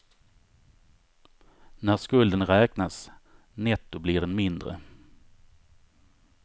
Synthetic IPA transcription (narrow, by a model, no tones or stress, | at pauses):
næskɵld̪ənɾɛːknas | nɛt̪ːʊblɪɖɛnmɪnd̪ɾə̰